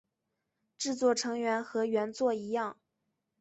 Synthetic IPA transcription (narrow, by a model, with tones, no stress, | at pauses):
ʈ͡ʂɻ̩˥˧t͡swɔ˥˩ʈ͡ʂʰɤ˧˥ŋɥɛ˧˥nxɤ˧˥ɥɛ˧˥nt͡swɔ˥˩i˧˥jɑ˥˩ŋ